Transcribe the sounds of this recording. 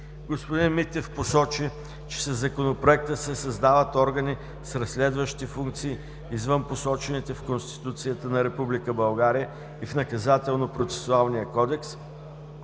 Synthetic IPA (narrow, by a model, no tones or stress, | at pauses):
ɡospod̪inmit̪ɛfposɔt͡ʃi | t͡ʃɛ̥səzːɐkonopɾoɛk̚t̪əsɛsɐzd̪avət̪ɔɾɡəni | sɾɐslɛd̪vəʃt̪ifuŋk̚t̪siː | zvənposɔt͡ʃɛnit̪ɛfkonst̪i̥t̪ut̪sijət̪ənɐɾɛpublikəbɐlˠɡaɾijə | ifnɐkɐzat̪ɛlˠnopɾot̪sɛ̥sʊalˠnijəkɔd̪ɛks